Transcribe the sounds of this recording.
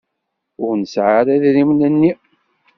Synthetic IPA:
ʊɾnəsʕaɾæðɾimnænːi

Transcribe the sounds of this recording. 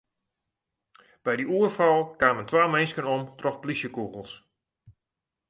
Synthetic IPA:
b̥ɛjdiuərfɑlˠkaːməntʋaːmɛnskənomtrɔxplisjəkuɣəl̩ˠs

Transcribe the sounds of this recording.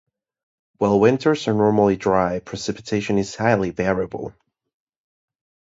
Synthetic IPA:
waɪlˠwɪ̃ntʰə˞zə˞nɔɹml̩ˠidɹaɪpʰɹ̥ɨsɪpɨ̥tʰeɪʃɨ̃nɨz̥haɪlˠivɛɹiəbəl̩ˠ

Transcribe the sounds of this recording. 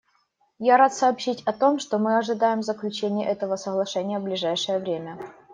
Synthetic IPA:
jaɾat̪sɐːpɕitʲɐt̪o̞mʂt̪omɨɐʐɨd̪ajɪmzəklʲʉt͡ɕenʲɪj̰ʔɛt̪əvəsəɣlˠɐʂɛnʲɪjəvblʲɪʐajʂɨjəvɾʲemʲə

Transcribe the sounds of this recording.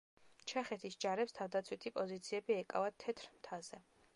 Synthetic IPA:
t͡ʃʰɛχɛt̪ʰisd͡ʒaɾɛpst̪ʰavd̪at̪sʰwit̪ʰipʼɔzit̪sʰiɛbiɛkʼa̰vat̪ʰɛt̪ʰɾmt̪ʰazɛ

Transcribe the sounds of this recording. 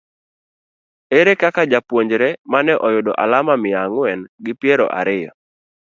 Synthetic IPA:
eɾekakad͡ʒapwoɲd͡ʒɾemanɛʔɔjʊdɔʔa̰lamamɪaŋwɛnɡɪpjɛɾɔ̰ʔa̰ɾɪjɔ̰

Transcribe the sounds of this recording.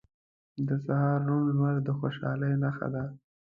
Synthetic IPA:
d̪əsahɑɾːunlmaɾd̪əxoʃɑ̰ləjnaxa̰d̪a

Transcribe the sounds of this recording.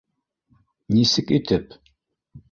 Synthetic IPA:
nisɨkʼit̪ʰɨp̚ʰ

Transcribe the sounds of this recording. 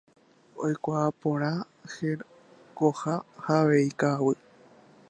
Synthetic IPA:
o̰jkʷaːpõɾ̃ã | he | kohahaʋeikawɨ

